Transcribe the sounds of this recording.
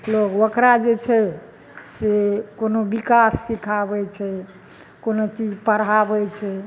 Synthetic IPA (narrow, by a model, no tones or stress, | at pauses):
lokokɾad͡ʒet͡ʃʰɛ | sekonobikasːikʰabɛt͡ʃʰɛ | konot͡ʃid͡ʒpəɾɦabɛt͡ʃʰɛ